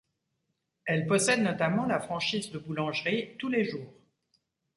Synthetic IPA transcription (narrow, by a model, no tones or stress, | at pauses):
ɛlpɔsɛd̪nɔt̪amɑ̃lafχɑ̃ʃiːzd̪əbulɑ̃ʒʁit̪uleʒuːʁ